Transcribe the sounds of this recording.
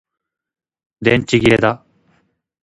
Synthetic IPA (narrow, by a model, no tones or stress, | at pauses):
d̪ent͡ɕiɡiɾed̪a